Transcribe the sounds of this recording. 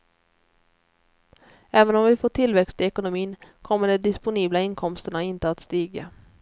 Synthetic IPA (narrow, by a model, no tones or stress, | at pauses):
ɛːvənɔmvɪfoːʈʰɪlvɛkst̪ʰɪɛkʊnʊmiːnkʰɔmːəɖɛd̪ɪspʊniːblaɪnkʰɔmst̪əɳaɪnt̪əat̪st̪iːɡa